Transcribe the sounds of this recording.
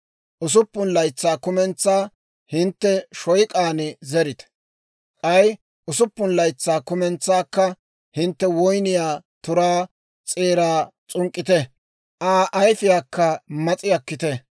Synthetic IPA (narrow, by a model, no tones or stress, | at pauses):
ʔʊs̬ʊpːʊnlɐjt͡sːaːkʊmɛnt͡sːaː | hɪnt̪ːɛʃɔjkʼaːnɪzɛɾɪt̪ɛ̥ | kʼɐj | ʔʊsʊpːʊnlɐjt͡sːaːkʊmɛnt͡sːaːkːɐ | hɪnt̪ːɛwɔjnɪjaːt̪ʊɾaː | t͡sʼeːɾaːt͡sʼʊŋkʼːɪt̪ɛ | ʔaːʔɐjfɪjaːkːɐmɐt͡sʼɪjɐkːɪt̪ɛ